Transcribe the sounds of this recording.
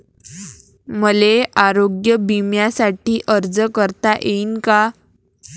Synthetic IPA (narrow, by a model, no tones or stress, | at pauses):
məleʔaɾoɡjəbimjasaʈiːʔəɾd͡zəkəɾt̪aʔeinka